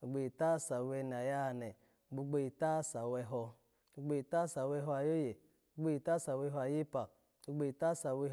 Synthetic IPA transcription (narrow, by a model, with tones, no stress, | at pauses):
o˨ɡ͡bo˧˨i˨ta˦˨sa˨wɛ˧n˨a˨ja˦˨nɛ˨ | ɡ͡bu˧˦ɡ͡bo˧ji˨ta˦sa˨wɛ˧ɦɔ˧ | o˧ɡ͡bo˧˨i˨ta˦sa˨wɛ˧˦ɦɔ˧a˨jo˦je˨ | o˨˦ɡ͡bo˧ji˨ta˦sa˨wɛ˧ɦɔ˧a˨ji˦pa˨ | o˧ɡ͡bo˧˨i˨ta˦sa˨wɛ˧